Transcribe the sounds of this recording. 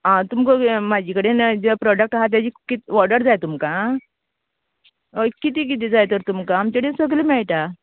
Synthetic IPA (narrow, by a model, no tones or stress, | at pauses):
ɦãt̪umkəmad͡ʑikəɽend͡zəpɾɔɖək̚ʈaɦat̪̬jat͡ɕiːkit̪ʋɔɾɖəɾd͡zajt̪umkã | kit̪̬ik̬it̪̬id͡zajt̪əɾt̪umkaːmt͡ɕaɽesəɡliːmɛɭʈ̪a